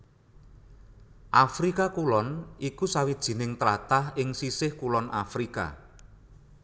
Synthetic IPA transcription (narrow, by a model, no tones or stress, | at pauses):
ʔafɾikakulɔnʔikusawid̥ʒ̥i̤nɪŋt̪ɾat̪ahɪŋsisɪhkulɔnʔa̰fɾika̰